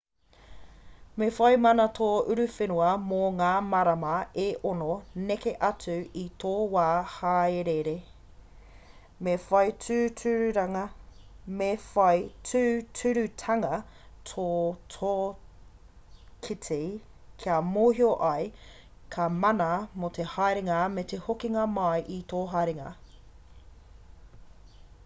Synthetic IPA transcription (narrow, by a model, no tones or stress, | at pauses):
mefɐjmɐnɐtʰoːʉɾʉfenuɐmoŋaːmɐɾɐmɐeʔononekeʔɐt͡sʉitʰoːwaːhaːeɾeɾe | mefɐjtʉːtʰʉɾɾɐ | meɐjtʰʉːtʰʉɾʉtʰɐŋɐ | tʰotʰo | kʰitʰe | kʰiɐmoːɦioʔɐj | kʰɐmɐnɐmot̪ʰehajɾeŋɐmet̪ehokiŋɐmɐjʔit̪oːɦajɾeŋɐ̰